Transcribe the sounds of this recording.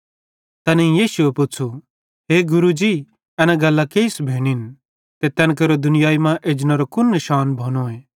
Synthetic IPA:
t̪ɛneĩjiːsʊepʊt͡sʰu | ɦeːɡʊɾud͡ʒi | ɛnãɡɐlːakeːɪsbʱeːɽ̃in | t̪et̪ɛ̃nkɐɾod̪ʊnɪjaːimãʔeːd͡ʒnɐɾokʊnːɪʃaːnbʱoːñoeː

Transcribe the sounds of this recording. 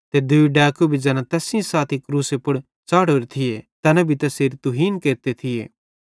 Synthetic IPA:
t̪ed̪ʊiɖaːkubʱid͡ʒɛːnãt̪ɛːsɪ̃ãsaːt̪ʰikɾuːsepʊɽ | t͡ʃaːɽoːɾet̪ʰɪjet̪ɛːnãbʱit̪ɛseːɾit̪ʊɦiːnkeːɾt̪et̪ʰɪjḛː

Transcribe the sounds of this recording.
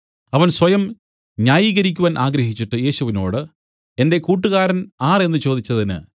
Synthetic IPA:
ɐʋɐnswɐjɐm | ɲaːjiːɣɐɾikʲːuʋaːnʔaːɡɾɐɦit͡ɕːiʈːɨje̞ːɕuʋino̞̰ːɽɨ | e̞nde̞kuːʈːɨɣaːɾɐnaːre̞nːɨt͡ɕo̞ːd̪it͡ɕːɐðinɨ̰

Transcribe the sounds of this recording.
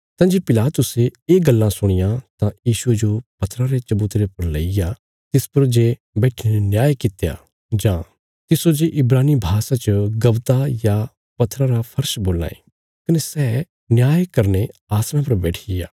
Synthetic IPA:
t̪ãd͡ʒepɪlaːt̪ʊseeːɡɐlːãsʊɽ̃ɪjãt̪ãjiːʃued͡ʒopɐt̪ʰːɾãɾet͡ʃɐbuːt̪ɾepɐɾleɪja | t̪ɪspɐɾd͡ʒe | bɛːʈʰineenjaːjkɪt̪eja̰ | d͡ʒã | t̪ɪsod͡ʒeʔɪbɾaːnibʱaːsat͡ʃəɡɐbt̪aja | pɐt̪ʰːɾãɾapʰɐɾʃboːlna̰ːḛ | kɐnesɛ | njaːjkɐɾneaːsñãp̬ɐɾbɛːʈʰɪja̰ː

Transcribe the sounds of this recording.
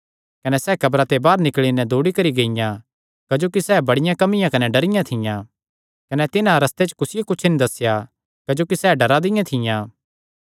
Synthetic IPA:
kɐnɛsɛːkɐbɾat̪ebaːɾnɪkɭinɛd̪oːɽikɐɾiɡeɪjã | kɐd͡ʒoːkisɛːbɐɽɪjãkɐmɪjãkɐnɛɖɐɾɪjãt̪ʰɪjã | kɐnɛt̪ɪnãɾɐst̪et͡ʃkʊsɪjokʊt͡ʃʰnĩd̪ɐsja | kɐd͡ʒoːkisɛːɖɐɾad̪ɪjãt̪ʰɪjãː

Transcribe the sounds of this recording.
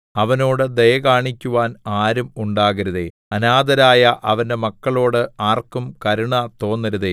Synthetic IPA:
ɐʋɐno̞ːɽɨd̪ɐjɐɣaːɳikʲːuʋaːnaːɾumuɳɖaːɣɐɾuðe | ɐnaːd̪ɐɾaːjɐʔɐʋɐnde̞mɐkːɐɭo̞ːɽɨaːrkːumkɐɾuɳɐt̪o̞ːnːɐɾuðe

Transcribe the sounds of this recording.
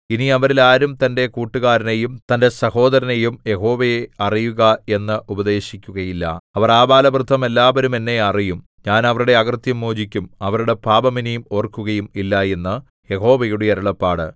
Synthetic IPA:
iniɐʋɐɾilaːɾumt̪ɐnde̞kuːʈːuɣaːɾɐnejumt̪ɐnde̞sɐho̞ːd̪ɐɾɐnejumje̞ɦo̞ːʋejeɐrijuɣɐe̞nːɨʔubɐd̪e̞ːɕikʲːuɣɐjilːɐ̰ɐʋɐraːbaːlɐbrɨd̪ʱɐme̞lːaːʋɐɾume̞nːe̞ɐrijum | ɲaːnɐʋɐɾuɽe̞ɐɣɐrt̪jɐmːoːd͡ʑikʲːumɐʋɐɾuɽe̞paːbɐminejumo̞ːrkːuɣɐjumilːɐe̞nːɨ | je̞ɦo̞ːʋejuɽeɐɾuɭɐpːaːɽɨ

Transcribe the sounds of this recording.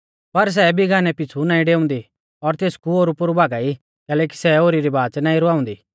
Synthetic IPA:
pɐɾs̬ɛbʱiɡʱaːnɛpɪt͡sʰunãːĩɖeːʊ̃nd̪i | ɔɾt̪eːskuoːɾupʊɾubʱaːɡaːi | kɛːlɛːk̬i̥sɛoːɾiɾibaːt͡ʃnaːĩɾʊaːʊ̃nd̪i

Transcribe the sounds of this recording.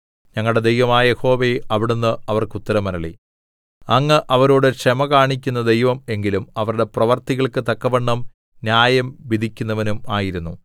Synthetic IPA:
ɲɐŋːɐɭɽe̞d̪ejʋɐmaːjɐjeho̞ːʋe̞ʔɐʋiɽunːɨɐʋɐrkut̪ːɐɾɐmɐɾɐɭi | ɐŋːɐʔɐʋɐɾoːɽɨkʂɐmɐkaːɳikʲːunːɐd̪e̞jʋɐme̞ŋɡilumɐʋɐɾuɽe̞prɐʋɐrt̪iɣɐɭkɨt̪ɐkːɐʋɐɳːɐm | njaːjɐmʋid̪ʱikʲːunːɐʋɐnumaːjiɾunːu

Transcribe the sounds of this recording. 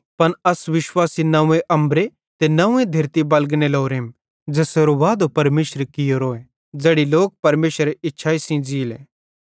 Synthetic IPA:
pɐnɐsʋɪʃwaːsinɐẽʔɐ̃mbɾe | t̪enɐʊ̃ːẽd̪ʱɐɾt̪ibɐlɡneloːɾeːm | d͡ʒɛːseɾoʋaːd̪opɐɾmeːʃɾekɪjoɾoːẽ | d͡ʒeːɽiloːk̚pɐɾmeːʃəɾeʔɪtːʃʰaːisĩd͡ʒiːlḛ̃ː

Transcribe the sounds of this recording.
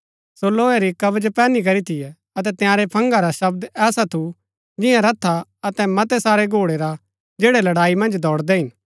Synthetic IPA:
soloːeɾikɐbəd͡ʒpɛːnik̬ɐɾit̪ʰɪjɛ | ɐt̪̬ɛt̪ɪjãːɾepʰɐ̃ŋɡaɾaʃɐbd̪ɛːsat̪ʰu | d͡ʒɪjãɾɐt̪ʰːaɐt̪ɛmɐt̪ɛsaːɾeɡʱoːɽeɾa | d͡ʒeːɽɛlɐɽaːimɐ̃nd͡ʒd̪ʱɔːɽd̪ɛɦɪn

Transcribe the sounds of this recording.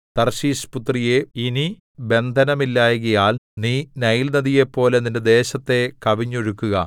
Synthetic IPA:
t̪ɐrɕiːsput̪rije̞ini | be̞nd̪ʱɐnɐmilːaːjɣɐjaːlniːnɐjilnɐðije̞pːo̞ːle̞ninde̞d̪e̞ːɕɐt̪ːe̞kɐʋiɲːoɻukːuɣɐ

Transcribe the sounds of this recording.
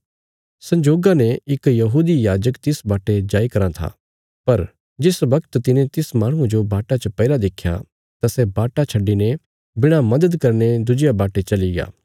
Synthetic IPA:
sɐ̃ɲd͡ʒoːɡanẽɪkjɐɦuːd̪ijaːd͡ʒəkt̪ɪsbaːʈed͡ʒaːikɐɾãt̪ʰa̰ː | pɐɾ | d͡ʒɪsʋɐkt̪t̪ɪnẽt̪ɪsmaːɽ̃ũd͡ʒobaːʈat͡ʃəpɛːlad̪eːkʰːja̰ | t̪asɛbaːʈat͡ʃʰɐɖːine | bɪɽ̃amɐd̪əd̪kɐɾned̪ʊd͡ʒɪjabaːʈet͡ʃɐliɡa̰ː

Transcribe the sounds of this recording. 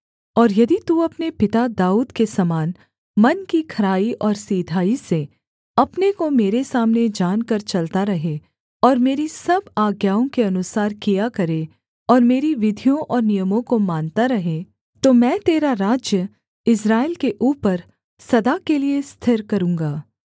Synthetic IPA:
ɔːɾjɐd̪it̪uɐpnepɪt̪ad̪aːuːd̪kesɐmaːn | mɐnkikʰɐɾaːiʔɔːɾsiːd̪ʱaːise | ɐpnekomeːɾesaːmned͡ʒaːnkɐɾt͡ʃɐlt̪aɾɐɦe | ɔːɾmeːɾisɐbaːɡjaːõkeɐnʊsaːɾkijakɐɾe | ɔːɾmeːɾiʋɪd̪ʱijõʔɔːɾnijəmõkomaːnt̪aɾɐɦe | t̪omɛ̃ːt̪eːɾaɾaːd͡ʒjə | ɪsɾaːɪlkeʔuːpəɾ | sɐd̪akeliest̪ʰɪɾkɐɾũːŋɡaː

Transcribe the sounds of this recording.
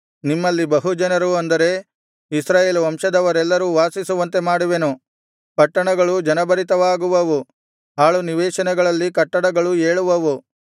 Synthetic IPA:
nimːɐlːibɐɦud͡ʒɐnɐɾuɐnd̪ɐɾe̞ | isɾaːjeːluʋɐmʂɐd̪ɐʋɐɾɛlːɐɾuːʋaːsisuʋɐnt̪e̞maːɽuʋenu | pɐʈːɐɳɐɡɐɭud͡ʒɐnɐbɐɾit̪ɐʋaːɡuʋɐʋu | ɦaːɭuniʋɛːʃɐnɛɡɐɭɐlːikɐʈːɐɽɐɡɐɭueːɭuʋɐʋu

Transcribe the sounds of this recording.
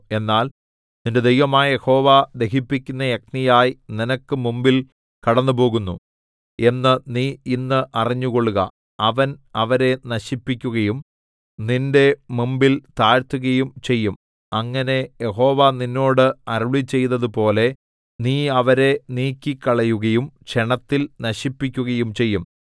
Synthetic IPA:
e̞nːaːl | ninde̞d̪ejʋɐmaːjjeho̞ːʋad̪e̞ɦipːikʲːunːɐjek̚nijaːjininɐkːɨmumbil | kɐɽɐnːupo̞ːɣunːu | e̞nːɨniːinːɨʔɐriɲːuɣo̞ɭːuɣɐ̰ | ɐʋɐnɐʋɐɾe̞nɐɕipːikʲːuɣɐjum | ninde̞mumbilt̪aːɾt̪ːuɣɐjumt͡ɕe̞jːum | ɐŋːɐne̞jeɦo̞ːʋaninːo̞ːɽɨɐɾuɭit͡ɕːe̞jnɐðɨpo̞ːle̞ | niːɐʋɐɾe̞niːkʲːikːɐɭɐjuɣɐjumt͡ɕeɳɐt̪ːilnɐɕipːikʲːuɣɐjumt͡ɕe̞jːum

